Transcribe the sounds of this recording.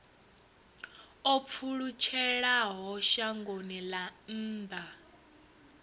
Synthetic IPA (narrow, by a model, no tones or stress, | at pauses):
ɔp̪fʰuɺut͡ʃʰɛɺaɦɔʃaŋɡonilan̩ːdʱa